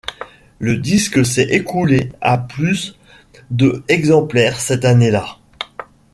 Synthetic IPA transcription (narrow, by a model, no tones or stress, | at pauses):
ləd̪isksɛʔekulea̰plys | d̪əɛɡzɑ̃plɛʁsɛt̪anela